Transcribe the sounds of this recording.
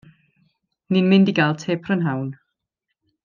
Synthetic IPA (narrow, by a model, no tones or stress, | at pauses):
ninmɪndiɡalˠtʰeːpʰrənɦawn